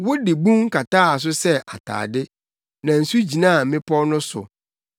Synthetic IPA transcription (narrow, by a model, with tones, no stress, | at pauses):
wʊ˦dɪ˨bũ˦ŋ̩˦kʰa˨taː˦a˨s̬ʊ˦sɛ˦ʔa˨tʰa̰ː˨dɪ˦ | nã˨n̩˨su˦d͡ʑi˨nãː˦˨mɪ̃˦pʰɔ˦nʊ̃˦sʊ̰˨